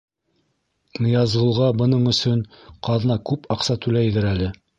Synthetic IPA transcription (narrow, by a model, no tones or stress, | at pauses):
nɤ̆jɑzʁɤ̆lˠʁɑbɤ̆nɤɴɵ̆sɵn | qɑðnɑkʉpʰɑqsɑt̪ʉlæjðɘɾælɘ